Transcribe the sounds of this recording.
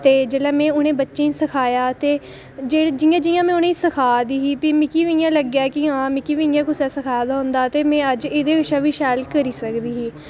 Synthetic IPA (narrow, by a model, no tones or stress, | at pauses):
t̪eːd͡ʒeːlɛːmɛ̃ːʊnẽːbətːʃẽːĩsəkʰaːjaːt̪eː | d͡ʒeːd͡ʒɪjãːd͡ʒɪjãːmɛ̃ːʊnẽːiːsəkʰaːd̪iːɦiːpiːmɪkiːʋijãːləɡjaːkiãːmɪkiːʋiːɪjãːkʊsɛːsəkʰaːjd̪aːɦʊ̃nd̪aːt̪eːmɛ̃ːəd͡ʒeːd̪eːkəʃaːʋiːʃɛːlkəɾiːsəkd̪iːɦiː